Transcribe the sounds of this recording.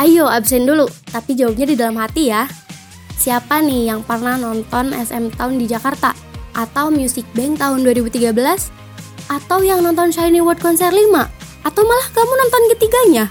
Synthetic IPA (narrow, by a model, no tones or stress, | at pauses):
ʔajoabsɛndulut̪apid͡ʒawap̚ɲadidalamɦat̪ija | siapanɪhjaŋpərnahnɔnt̪ɔnɛsɛ̰mt̪aʊndid͡ʒakart̪a | ʔat̪awmjusɪk̚bɛŋt̪aʊnduaɾibut̪iɡabəlas | ʔat̪awjaŋnɔnt̪ɔnʃajniwɔrd̚kɔnsɛrlimaʔat̪awmalahɡamunɔnt̪ɔnkət̪iɡaɲa